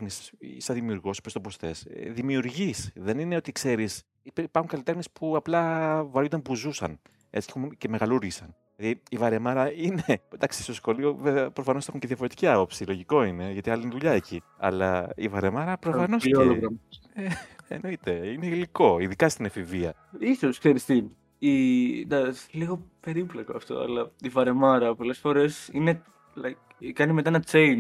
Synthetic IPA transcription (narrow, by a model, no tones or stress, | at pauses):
xnisisɐðimiuɾɣo̞si̥pɾost̪opost̪e̞sðimiuɾʝisðe̞nine̞o̞t̪ikse̞ɾis | ippɐɾxuŋkɐlit̪e̞xmniespuɐplɐvɐɾjund̪ɐnpuzusɐ̰n | et͡ssi̥ceuce̞me̞ɣɐluɾʝisɐn | lɐðiivɐɾe̞mɐɾɐined̪ɐksi̥st̪osxo̞lio̞veveɐpɾofɐnoexuɲceðiɐfo̞ɾe̞t̪i̥ciɐpo̞psilo̞ʝiko̞ine̞ʝɐt̪iɐliineðuʎɐeciɐ̰lɐḭvɐɾe̞mɐɾɐpɾofɐnosolloɣɾɐmoeḛno̞it̪e̞ine̞iliko̞iðikɐst̪inɐfiviɐ | isoskseɾist̪i | ind̪ɐsliɣo̞pe̞ɾiplekoɐft̪o̞̰ɐ̰lɐivɐɾe̞mɐɾɐpo̞le̞sfo̞ɾe̞sine | lɐ | kɐnimet̪ɐenɐt͡sejn